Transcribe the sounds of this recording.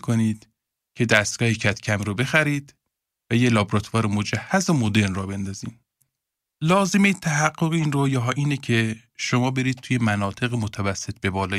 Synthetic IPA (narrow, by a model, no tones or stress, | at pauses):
kʰoniːd̪ | cʰe̞d̪æst̪̚ɡ̥ɒːhecʰæt̪cʰæmɾobe̞xæɾiːd̪̥ | væjelɒːbɾɒt̪ʰvɒːɾemod͡ʒæhːæzomod̪e̞ɾnrɒːbe̞nd̪ɒːziːm | lɒːze̞mit̪ʰæɦæɡːoɣiːnrojɒɦɒːʔiːnecʰe | ʃo̞mɒːbe̞ɾiːd̪̚t̪ʰuːje̞mænɒːt̪ʰeɣemot̪ʰævæsːet̪̚ʰbe̞bɒːlɒː